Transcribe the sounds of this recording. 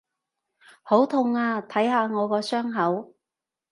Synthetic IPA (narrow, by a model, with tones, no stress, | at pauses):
ho˨˥wt̪ʰʊ˧ŋaː˧t̪ʰɐ˨˥jɦaː˧ŋɔː˨˧kɔː˧sœː˥ŋɦɐ˨˥w